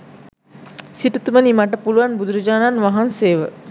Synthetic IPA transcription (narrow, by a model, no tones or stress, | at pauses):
siʈut̪umənimaʈ̬əpuluʋanbud̪uɾɐd͡ʒaːnanʋaɦanseːʋə